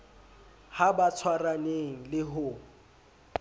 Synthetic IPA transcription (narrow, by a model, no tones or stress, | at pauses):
habat͡sʰwaraneŋ̩lɪɦʊ